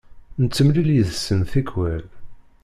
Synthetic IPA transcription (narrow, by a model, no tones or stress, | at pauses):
nət͡sːəmliljəðsːənθikwæl